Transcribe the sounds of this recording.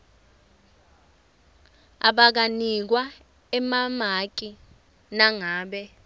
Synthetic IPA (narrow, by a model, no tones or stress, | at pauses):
a̰ɓak̬anik̬wa | ɛmamak̬ʼi | naŋaːɓɛ